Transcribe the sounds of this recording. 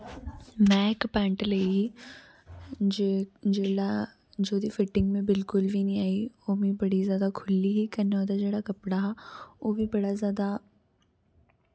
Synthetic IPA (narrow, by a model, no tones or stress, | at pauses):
mɛ̃ːɪkpɛ̃ːɳʈləiɦiː | d͡ʒd͡ʒeːɽa | d͡ʒoːd̪iːfɪʈɪ̃ŋɡmẽbɪlkʊlʋiːnĩːaːiːoːmĩːbəɽizjaːd̪aːkʰʊlːiːɦiːkəneoːd̪aːd͡ʒeːɽaːkəpɽaːɦɛːoːʋiːbəɽazjaːd̪aː